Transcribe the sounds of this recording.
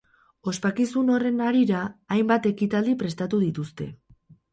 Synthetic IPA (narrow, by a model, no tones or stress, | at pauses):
o̞spakisuno̞re̞naɾiɾaːjmbat̪e̞kit̪ald̪ipɾe̞st̪at̪uðit̪ust̪e̞